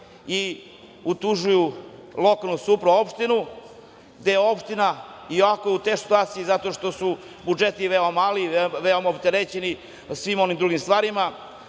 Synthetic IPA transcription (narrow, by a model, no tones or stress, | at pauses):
i | ut̪uʒujulˠo̞kalˠnusupɾuo̞pʃt̪inu | ɡd̪ejeo̞pʂt̪inaioʋakojeut̪eʃsi̥t̪uaːt̪sijizat̪o̞ʃt̪o̞su | bud͡ʒet̪iʋeomaliʋeomaopt̪eɾet͡ɕeni | sʋimo̞nimd̪ɾuɡimst̪ʋaːɾima